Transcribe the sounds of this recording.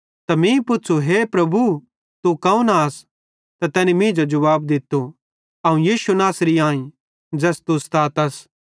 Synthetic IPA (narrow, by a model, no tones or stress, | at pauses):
t̪ɐmĩpʊtːt͡ʃʰuɦepɾɐbu | t̪ukɐũnas | t̪at̪ɛːnimɪ̃ːd͡ʒod͡ʒɐʋaːbd̪ɪt̪ːo | ɐũjiːʃunaːsɾiãːĩ | d͡ʒɛːst̪ust̪aːt̪ɐs